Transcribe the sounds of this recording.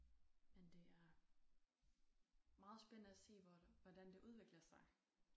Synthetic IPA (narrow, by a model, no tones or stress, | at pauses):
mend̥e̝æɐ | mɑ̈ːð̞̩ˠsb̥ennəæse̝̰ːʋʋɒd̥ænd̥e̝ʔuð̞ˠʋe̝ɡ̥lɐsɑ̈ɪ